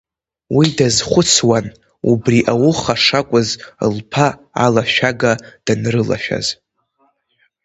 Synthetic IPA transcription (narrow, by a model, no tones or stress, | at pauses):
widazχʷʊt͡sʰwan | ubriʔawʊχaʂakʷʼʊzɨ̰lpʰaː | laʃᶣaɡad̥anrɨla̰ʃᶣa̰z